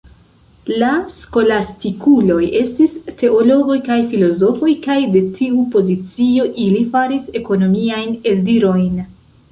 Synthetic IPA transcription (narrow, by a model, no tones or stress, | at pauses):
lasko̞lastikulo̞je̞stiste̞ʔo̞lo̞ɡo̞jkajfilo̞zo̞fo̞jkajde̞tʰiupo̞zit͡sio̞ʔilifaɾise̞ko̞no̞miajne̞ldiɾo̞jn